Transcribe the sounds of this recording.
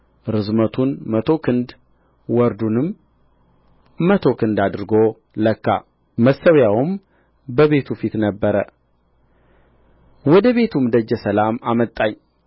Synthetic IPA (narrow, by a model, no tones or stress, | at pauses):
ɾɨzmət̪ʰunmət̪ʰo̞kʰɨnd̪ | wɔɾd̪unɨm | ət̪ʰo̞kʰɨnd̪ad̪ɨɾɨɡo̞ | ləkːa̰ | məsːəwjawm | bəβe̞t̪ʰufit̪nəbːəɾə | wɔd̪əβe̞t̪ʰumd̪əd͡ʒːɛsəlamamət̪ʼːaɲ